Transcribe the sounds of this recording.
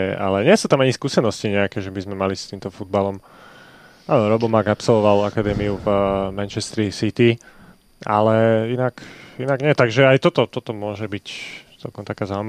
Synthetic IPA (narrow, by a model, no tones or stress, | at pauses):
a̰lɛɲɪɛsuːt̪amaɲiskuːsɛnɔsciɲɛakɛʒɛbizmɛmalist̪iːmt̪ɔfud̪balɔm | anɔɾɔbɔmaɡapsɔlʋɔʋalakad̪ɛːmiuvmɛnt͡ʃɛst̪ɾisit̪i | a̰lɛinakinaɡɲɛɛt̪aɡʒɛajt̪ɔt̪ɔt̪ɔt̪ɔmʊɔʒɛbict͡sɛ̰lˠkɔmt̪akaːzaːum